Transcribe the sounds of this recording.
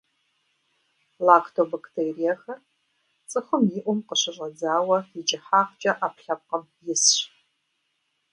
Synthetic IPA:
laːkʰtʰobɐktʰeːrijɐxɐr | t͡sʼɨxʷʊmjɪʔʷʊmqəɕɪɕʼɐd͡zaːwɐɪd͡ʒɐħaːqt͡ʃʼɐʔɐpɬɐp̚qəm | jɪsɕ

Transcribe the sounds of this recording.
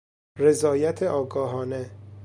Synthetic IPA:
re̞zɒːjæt̪ʰeʔɒːɡɒːɦɒːne

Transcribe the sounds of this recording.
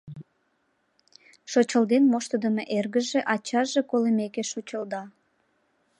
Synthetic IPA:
ʃot͡ɕəld̪enmoʃt̪əd̪əmeʔerɣəʒeʔɑt͡ɕɑʒekolemekeʃot͡ɕəld̪ɑ

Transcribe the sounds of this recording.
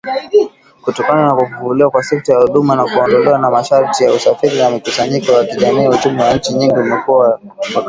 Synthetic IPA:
kutɔkananakufuvuliwakwasɛk̚tajahuɗumanakuɔndɔlɛwanamaʃaɾtijausafiɾinamikusaɲikɔjakiʄamiːut͡ʃumɛwaɲ̩t͡ʃiɲiŋɡimikuwa | a

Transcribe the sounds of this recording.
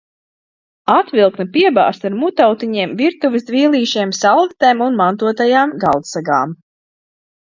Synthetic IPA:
at̪vʲilˠknɐpiɛba̰ːst̪aɾmut̪awt̪iɲiɛmviɾt̪uvɨsd̪viːlˠiːʃiɛmsalˠɡt̪ɛjmunmant̪uɔt̪ajaːmɡalˠt̪saɡa̰ːm

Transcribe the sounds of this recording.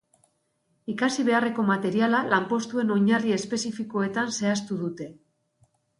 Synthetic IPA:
ikasiβ̞e̞are̞ko̞mat̪e̞ɾialalampo̞st̪ue̞no̞ɲarie̞spe̞sifiko̞e̞t̪anse̞ast̪uðut̪e̞

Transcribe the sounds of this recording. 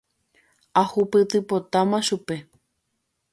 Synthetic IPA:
ahupɨt̪ɨpot̪amãʃupe

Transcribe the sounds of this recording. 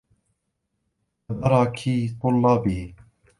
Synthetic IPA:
ðɑɾˤɑːkʰiːt̪ˤʊlːɑːbi

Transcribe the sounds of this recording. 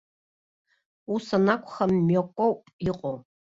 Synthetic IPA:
usɐnakʷʰʼxɐmːjokʷʼɔwpʼiqʷʼo

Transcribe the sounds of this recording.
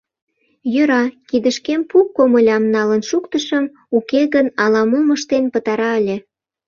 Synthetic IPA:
jøɾɑkid̪əʃkempukːoməlʲɑmnɑlənʃukt̪əʃəm | ukeɣənɑlɑmoməʃt̪enpət̪ɑɾɑəlʲĕ

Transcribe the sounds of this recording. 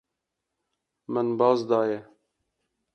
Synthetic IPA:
mənbɑːzd̪ɑːjɛ

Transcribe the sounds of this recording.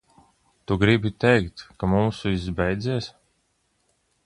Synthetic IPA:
t̪uɡɾibʲit̪ɛjkt̪kamumsuizbɛjd̪ziɛs

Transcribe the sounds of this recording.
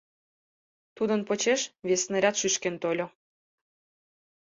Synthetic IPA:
t̪ud̪ənpot͡ɕeʃβesneɾʲɑt̪ʃyʃkent̪olʲo

